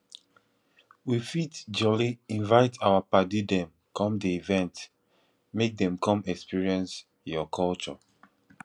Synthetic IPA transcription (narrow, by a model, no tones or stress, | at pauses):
wifitd͡ʒɔliĩnvaɪtʰawapadidɛ̃m | kʰɔ̃mdiivɛ̃nt | mek̚dɛ̃mkɔ̃mɛkspiɹiɛ̃ns | jɔkʰɔlt͡ʃɔ̰